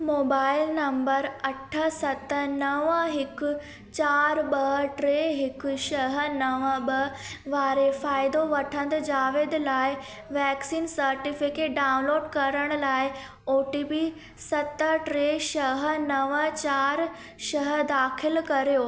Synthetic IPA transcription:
moːbaːɪlnɐmbəɾɐʈʰəsɐt̪ənɐʋəɦɪkʊ | t͡ɕaːɾbɐɦʈɾeɦɪkʊʃɐɦənɐʋəbə | ʋaːɾefaːɪd̪oʋɐʈʰə̃nd̪d͡ʑaːʋeːd̪laːɪ | ʋɛːksiːnsɐɾʈɪfɪkeʈ̚ɖaːʊ̃nloːɖkɐɾəɽ̃ʊlaːɪ | oːʈiːpi | sɐt̪əʈɾeːʃɐɦənɐʋət͡ɕaːɾ | ʃɐɦəd̪aːkʰɪlkɐɾijoː

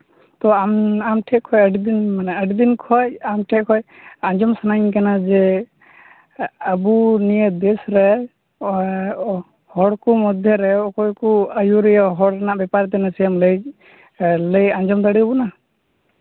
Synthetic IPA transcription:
t̪ɔamamʈʰɛʔkʰɔjəɖid̪inmanaəɖid̪inkʰɔjamʈʰɛʔkʰɔj | ãnd͡ʒɔmsanaɲkanad͡ʒɛ | abunijəd̪ɛsɾɛ | hɔɽkɔmɔd̪ʱjɔɾɛɔkɔjkɔəjuɾɛjaɦɔɽɛnaʔbɛpaɾt̪̬ɛnasɛjamləj | ləjand͡ʒɔmd̪aɽibɔna

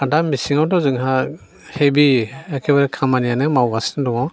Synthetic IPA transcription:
adamːisiŋawtɔzɯŋɦa | hebiakʰebaɾkʰamanijanɯmawɡasnadɔŋɔ

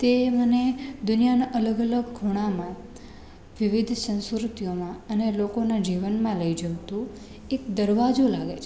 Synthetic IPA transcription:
t̪eməned̪ʊnijanaʔələɡələɡːʱuɽ̃amã | ʋiʋid̪ʱsə̃ñskɾut̪ijomãənelokonad͡ʒiʋənmãləid͡ʒəʋt̪ũ | ekd̪əɾʋad͡ʒulaɡet͡ʃʰ

